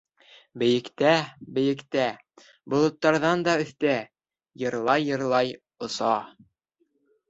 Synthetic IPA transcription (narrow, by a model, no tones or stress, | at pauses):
bɘ̆jɘ̆kt̪æbɘ̆jɘ̆kt̪æ | bŏlˠɤ̆t̪ːɑɾðɑnd̪ɑɵ̆θt̪æ | jɤ̆ɾlˠɑjːɤ̆ɾlˠɑj | ŏsɑ